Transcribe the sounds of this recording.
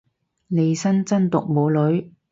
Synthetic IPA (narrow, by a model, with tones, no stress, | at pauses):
ne˨˧jsɐ˥nt͡sɐ˥nt̪ʊ˨k̚mo˨˧wlɵ˨˧˥ɥ